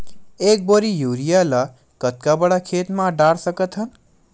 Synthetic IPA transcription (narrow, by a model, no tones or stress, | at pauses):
ek̚boɾijuɾijala | kət̪̚kabəɽakʰet̪mãɖaɽsəkət̪ɦən